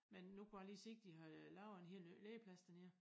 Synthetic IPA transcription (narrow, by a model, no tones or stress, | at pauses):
menːukʰuɑliːse̝ɡ̥̚d̥iɦɑlɑ̈ʊenɦe̝lleːpʰlæsd̥æne̝ɐ̰